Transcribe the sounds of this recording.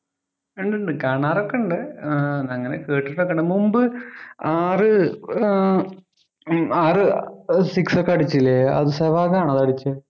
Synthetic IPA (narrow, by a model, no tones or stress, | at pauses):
eɳɖeɳɖɨkaːɳaːɾokːeɳɖɨnɐŋːɐnḛkeːʈːiʈːokːɐɳɖɨmumbɨaːrɨ | aːrɨsiksokːeɐɽit͡ɕːilːeɐ̰ðɨseʋaːɣaːɳɐðɐɽit͡ɕːɨ